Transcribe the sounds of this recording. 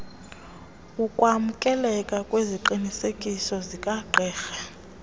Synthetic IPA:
ukʼwamukʼɛlɛkʼakʼweziǃinisekʼisɔzikʼaɡ͡ǃʱɛːxɛ

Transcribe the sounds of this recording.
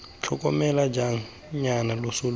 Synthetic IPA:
t͡ɬʰɔkʼɔmɛlad͡ʒaŋ̩ | ɲanalosul

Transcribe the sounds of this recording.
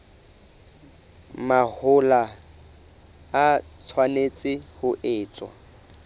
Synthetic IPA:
mahʊla | t͡sʰwanet͡sʼɪhʊʔɪːt͡sʼwa̰

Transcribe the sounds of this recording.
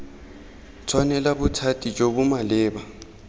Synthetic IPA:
t͡sʰwanɛlabʊtʰatʼit͡ʃʼobʊmalɪːba

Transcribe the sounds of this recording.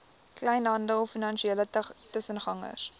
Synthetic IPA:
klɛjnɦɐndəɔfinɐnʃieːlətəsənχɐŋə̰s

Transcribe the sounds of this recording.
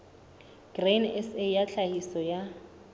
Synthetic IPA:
ɡ̥renɛsejaɬahisɔja

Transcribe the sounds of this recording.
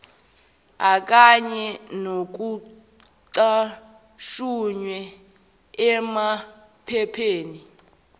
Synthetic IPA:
ak̬ʼaɲɛnok̬u | ǀa | ʃuɲwɛ | ɛma | pʰɛpʰeːni

